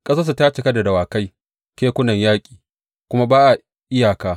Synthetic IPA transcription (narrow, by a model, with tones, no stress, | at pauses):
kʼɐ˦sɐ˦s̬u˨taː˦t͡ʃɪ˨kɐ˦da˨da˨waː˨ka˦j | kʲeː˦kʷʊ˦nɐ˨ɲjaː˦kʲʼi̥ː˨ | kʷʊ˦ma˦baː˦ʔa˨ | ʔɪ˦jaː˨kaː˦